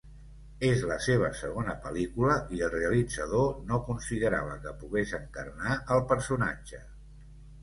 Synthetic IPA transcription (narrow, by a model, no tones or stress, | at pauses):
ezləseβ̞əsəɣ̞onəpəlikuləiəlˠreəlid͡zəðonokunsiðəɾa̰βəkəpuɣezəŋkərnaəlˠpəɾsuna̰d͡ʒə